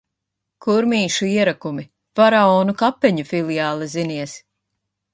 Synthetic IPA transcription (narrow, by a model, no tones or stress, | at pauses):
kuɾmiːʃuiɛɾakumi | vaɾaɔːnukapːɛɲufilˠijaːlˠɛziniɛs